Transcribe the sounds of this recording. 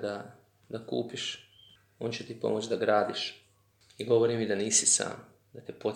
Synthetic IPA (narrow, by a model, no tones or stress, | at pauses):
d̪a | d̪akṵːpiʃ | oːnt͡ɕet̪ipo̞̰mot͡ʃd̪aɡɾaːd̪iʃ | iɡo̞ʋoɾimid̪aniːsisa̰ːm | d̪at̪ipo̞